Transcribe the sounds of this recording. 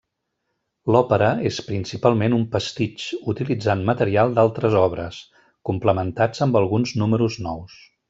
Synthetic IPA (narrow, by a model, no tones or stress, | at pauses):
lɔpəɾəespɾinsipalˠmenumpəst̪it͡ʃut̪ilid͡zanmət̪əɾialˠd̪alˠt̪ɾəzɔβɾəs | kumpləmənt̪ad͡zəmbəlˠɣunznuməɾuznɔws